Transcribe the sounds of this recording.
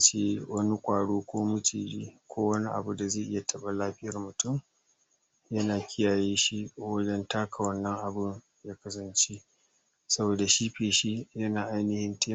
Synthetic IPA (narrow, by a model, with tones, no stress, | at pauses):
t͡ʃeː˦wɐ˦ni˦kʷʼaː˨ɽoː˦kʷoː˦mʊ˦t͡ʃḭː˨ɾḭː˦kʷoː˦wɐ˦ni˦ʔa̰˨bu˦da˨zeː˦˨ʔɪ˦ja˨tʰɐ˦ɓa˨laː˦ɸɪ˦jɐ˨rmʊ˨tʊ˦˨m | jɐ˦naː˨kʲʰɪ˦jaː˨jeː˦ʃi˦wɐ˦d͡ʒɛ˦ntaː˦kʰa˨wɐ˦nːɐ˦ŋʔa˨bʊ˦ŋ | jaː˦kɐ˦s̬ɐ˨nt͡ʃe˦ | sɐ˦boː˨da˨ʃiː˦ɸeː˨ʃi˦jɐ˦naː˨ʔa˦jnɪ˨hɪ˦nteː˦